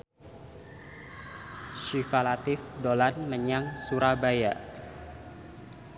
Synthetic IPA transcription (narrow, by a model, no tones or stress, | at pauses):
ʃifalat̪ɪfdolanməɲaŋsuɾabajaʔ